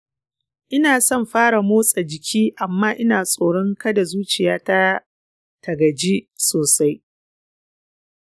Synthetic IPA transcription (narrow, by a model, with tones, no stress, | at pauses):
ʔɪ˦naː˨sɔ˦˨mɸaː˦ɽa˨moː˦sʼa˨d͡ʒɪ˨kʲʰiː˦ʔa˨mːaː˦ʔɪ˦naː˨sʼoː˨ɽɔ˦ŋkɐ˦da˨zuː˦t͡ʃɪ˨jaː˦ta˦ | tɐ˨ɡɐ˨d͡ʒi˦soː˨sa˦j